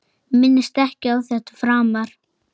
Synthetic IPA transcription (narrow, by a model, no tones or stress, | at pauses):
mɪnːɪst̪ɛhcɪawθɛht̪ḁfɾaːmaɾ̥